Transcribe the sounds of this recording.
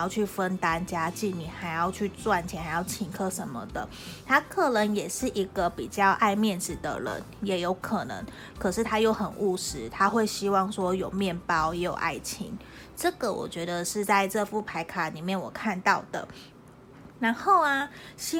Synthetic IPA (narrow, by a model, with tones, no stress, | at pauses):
jɑ˥˧ʊt͡ɕʰy˥˩fə˦˥nt̪a˥nt͡ɕja˦˥t͡ɕi˥˩ny˨˩xa˧˥ɪjɑ˥˧ʊt͡ɕʰy˥˧t͡swa˥˩nt͡ɕʰjɛ˧˥˩xa˧˥ɪjɑ˥˩ʊt͡ɕʰi˧˩ŋkʰɤ˦˥ʂə˧˦nmə̰˨d̪ə̰˩ | t̪ʰa˥kʰɤ˥˩nə˧˥ŋjɛ˨˩ʂɻ̩˥˩ʔi˧˥ɡ̥ə˨pi˨˩t͡ɕjɑ˥˧ʊʔa˥˧ɪmjɛ˥˩nʈ͡ʂɻ̩˨˩d̪ə̰˨ɻə̰˧˦njɛ˨˥jo˧˥ʊkʰɤ˨˩nɤ̰˧˥ŋ | kʰɤ˨˩ʂɻ̩˥˩t̪ʰa˥jo˥˩ʊxə˨˩nʔu˥˩ʂɻ̩˥t̪ʰa˦xwe˥˩ɪɕi˥wɑ˥˩ŋʂwɔ˥jo˨˩ʊmjɛ˥˩npɑ˦ʊjɛ˧˥jo˨˩ʊʔa̰˥˩ɪt͡ɕʰḭ˧˥˦ŋ | ʈ͡ʂɤ˥˩ɡə˩wɔ̰˨˩t͡ɕɥɛ˧˥d̪ə˧ʂɻ̩˥˧t͡sa˥˧ɪʈ͡ʂɤ˥˧fu˥˩pʰa˧˥ɪkʰa˨˩ni˨˩mjɛ˥˩nwɔ˨˩kʰa˥˧nt̪ɑ˥˩ʊd̪ə̰˩ | ɻa˧˥nxo˥˩ʊa˩ɕi˥